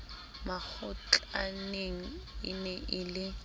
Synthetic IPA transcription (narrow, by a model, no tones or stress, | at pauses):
mak͡xʊt͡ɬʼaneŋ̩ɪnɛʔɪlɪ